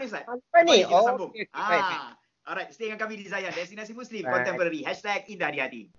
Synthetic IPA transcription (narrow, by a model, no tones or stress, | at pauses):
nis̬laanioãnbumʔaa | ʔɔlɾajtst̪eŋãnkamidizajãndɛstinas̬imuslĩmkɔ̃nt̪ɛ̃mpəɾaɾiɦɛʃtɛk̚indahadihat̪ḭ